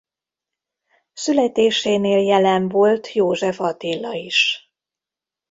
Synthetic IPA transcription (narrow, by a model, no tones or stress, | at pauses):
sylɛt̪eːʃeːneːljɛlɛɱvo̞lt̪joːʒɛfɒt̪ilːɒiʃ